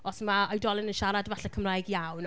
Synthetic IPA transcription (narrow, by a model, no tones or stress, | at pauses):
ɔsmaɔjdɔlˠɪnənʃaɾadvaɬɛkʰəmrajɡjawn